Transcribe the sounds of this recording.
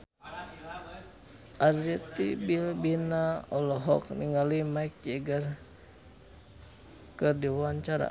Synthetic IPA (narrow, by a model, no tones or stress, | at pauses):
ʔard͡ʒɛt̪ibilbinaɔlɔɦɔkniŋalimaik̚d͡ʒɛɡar | kɨrdiwaaɲt͡ʃaɾa̰